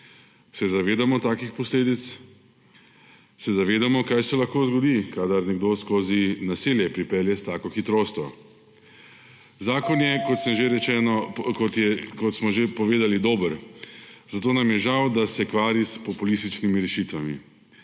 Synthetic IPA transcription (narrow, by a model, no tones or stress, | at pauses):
sɛzaʋeːd̪amɔt̪aːkixpɔsleːd̪it̪s | sɛzaʋeːd̪amɔkajsɛlaxkoːzɡɔd̪ikad̪aɾnɛɡd̪oskoːzinasiljɛpɾipɛljɛst̪aːkɔxit̪ɾoːst̪ʋɔ̰ | zaːkɔnjɛkɔt̪səmʒeɾɛt͡ʃɛːnɔkɔt̪jɛkɔt̪smɔʒepɔʋeːd̪alid̪oːbəɾ | z̥at̪oːnamjɛʒawd̪asɛkʋaːɾispɔpulist̪it͡ʃnimiɾɛʃit̪ʋamḭ